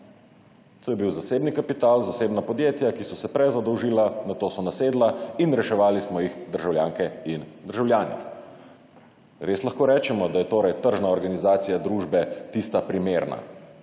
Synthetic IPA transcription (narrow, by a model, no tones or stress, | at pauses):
t̪oːjɛbiwzaseːbnikapit̪aːlzaseːbnapɔd̪jeːt̪jakisɔsɛpɾɛzad̪ɔwʒilanat̪oːsɔnaseːd̪lainɾɛʃɛʋaːlismɔjixd̪əɾʒawljaːŋkɛind̪əɾʒawljaːnɛ̰ | ɾeslaxkoːɾɛːt͡ʃɛmɔd̪ajɛt̪oːɾajt̪əɾʒnaɔɾɡanizaːt̪sijad̪ɾuʒbɛt̪ist̪apɾimeɾna̰